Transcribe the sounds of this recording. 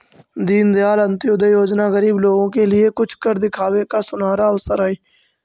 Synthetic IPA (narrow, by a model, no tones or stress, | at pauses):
d̪iːnd̪ɪjaːlə̃nt̪iʊd̪əijoːd͡ʒnaːɣəɾiːbloːɡõkelɪeːkʊt͡ʃʰkəɾd̪ɪkʰaːʋekaːsʊnaːɾaːəʋsəɾaːiː